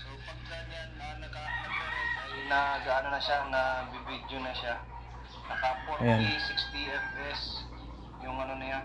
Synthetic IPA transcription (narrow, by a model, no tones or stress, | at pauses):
s | ɐsanjanːɐnɐkaːp | nɐɡaʔanonɐʃanɐbibid̪jonɐʃa | nɐhaːponisɪkst̪iʔɛfɛs | jʊŋɐnonɐja